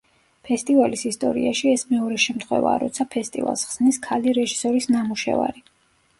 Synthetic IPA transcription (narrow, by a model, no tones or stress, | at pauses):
pʰɛst̪ʼivalisist̪ʼɔ̰ɾḭaʃiɛsmɛɔɾɛʃɛmt̪χwɛ̰vaːɾɔ̰t̪sʰapʰɛst̪ʼḭva̰lˠsχsniskʰaliɾɛʒisɔɾisnamuʃɛ̰va̰ɾi